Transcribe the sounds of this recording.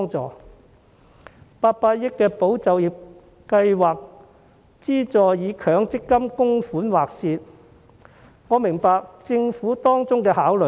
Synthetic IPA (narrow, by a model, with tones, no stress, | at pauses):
ŋt͡sɔ̰ː˨˧ | paː˧t̚paː˧t̚jɪ˥kːɛː˧po˨˥wt͡sɐ˨wjiː˨p̚ | kɐ˧jwaː˨k̚ | t͡siː˥t͡sɔː˨jjiː˨˧kʰœː˨˧˥ŋt͡sɪ˥kːɐ˥mkʊ˥ŋfuː˨˥nwaː˨k̚siː˧t̚ | ŋɔː˨˧mɪ˨˩ŋpaː˨˧k̚t͡sɪ˧ŋfuː˨˥t̪ɔː˥ŋt͡sʊ˥ŋkɛː˧haː˨˥wlɵ˨